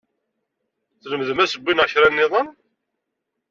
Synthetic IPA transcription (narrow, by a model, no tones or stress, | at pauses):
θləmðəmæsəbʷːinʕəçɾænːɪðˤən